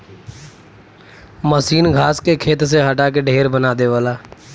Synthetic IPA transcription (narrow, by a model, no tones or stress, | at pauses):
məsiːnɡʱaːskekʰeːt̪seɦəʈaːkeɖʱeːɾbənaːd̪eːʋaːlaː